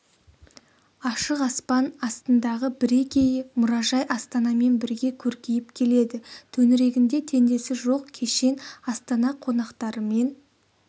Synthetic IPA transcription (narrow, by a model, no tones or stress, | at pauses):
ɑʃəqɑspɑnɑst̪ənd̪ɑʁəbɪɾe̞kʲe̞jɪmʊɾɑʒɑjʔɑst̪ɑnɑme̞nbɪɾɡʲe̞kʲʰɵɾkʲejɪpkʲʰe̞le̞d̪ɪt̪ʰɵnɪɾe̞ɡʲɪnd̪e̞t̪ʰe̞nd̪e̞sɪʒo̞qkʲʰe̞ʃe̞nɑst̪ɑnɑqʰo̞nɑqt̪ɑɾəme̞n